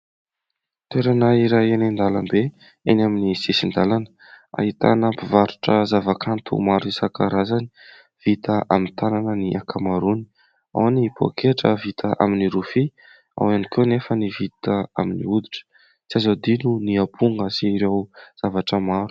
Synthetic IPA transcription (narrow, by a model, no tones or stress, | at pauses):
t̪eɾanaiɾajenand̪alambe | enaminisesind̪alanə̥ | a̰ɦit̪a̰nəpivaɾuʈ͡ʂəzavakʰant̪ʰṵmaɾuisakəɾazani̥ | v̥it̪əʔa̰mint̪ananəniʔakʰamaɾuni̥ | a̰wnipʰo̰kʰeʈ͡ʂə̰vit̪ʰəʔa̰miniɾufi | a̰wanikenefənivit̪əaminḭud̪iʈ͡ʂə̥ | t͡siazad̪inuniapʰuŋɡəsiɾewz̥avaʈ͡ʂəmaɾu̥